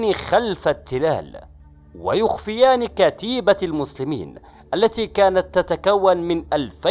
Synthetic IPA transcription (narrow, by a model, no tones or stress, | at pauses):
nixalfat̪ːɪla̰ːl | wa̰jʊxfɪjaːnikat̪iːbalmʊslɪmḭːn | ʔalːat̪iːkaːnat̪ːat̪akawːanmɪnʔalfa